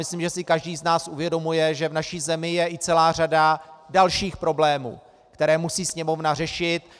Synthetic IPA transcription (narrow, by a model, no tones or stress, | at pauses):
mɪslimʒɛsɪkaʒdiːznaːsʔuvjɛdo̞mujɛʒɛvnaʃiːzɛmɪjɛʔɪt͡sɛlaːr̝adadalʃiːxpɾo̞blɛːmṵː | kt̪ɛɾɛːmusiːsɲɛmo̞vnarɛʃɪt̪